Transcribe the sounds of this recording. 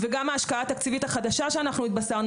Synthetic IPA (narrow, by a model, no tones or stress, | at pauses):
veɡamaːʃkaaːt̪akt͡sivit̪haχad̪aʃaʃeanaχnuit̪̚basaʁn